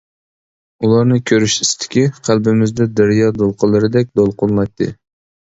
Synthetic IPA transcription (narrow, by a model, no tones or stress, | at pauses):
ulˠɑɾnɨkʲʰøɾyʃist̪ʰɪ̥kʲiqʰælbɪmɪzd̪ɛd̪æɾjɑd̪olˠqʰəlˠːɨɾɪd̪ɛk̚ʲd̪olˠqʰʊlˠmɑjt̪ʰːɨ̰